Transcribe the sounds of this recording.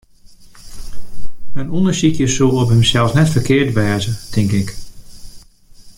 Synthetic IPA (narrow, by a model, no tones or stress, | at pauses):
ənundəɹsikjəsulˠɔpɦəmsɛlˠsnɛtfərkɪːɹtʋɛːzətʰɪŋkɪk